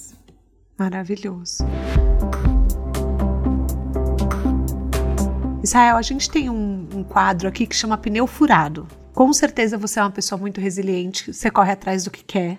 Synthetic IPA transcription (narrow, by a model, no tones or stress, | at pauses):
maɾaviʎoz̥ʊ | izhaɛwaʒẽnt͡ʃɪ̥t̪ẽj̃ũũkwad̪ɾʊakikɪ̥ʃɐ̃mɐpinewfuɾad̪ʊ | kõw̃seɾt̪ezɐvoseɛũmɐpesoɐmũj̃t̪ʊɦeziliẽnt͡ʃɪ̥vsekɔɦɪat̪ɾazd̪ʊkɪ̥kʰɛ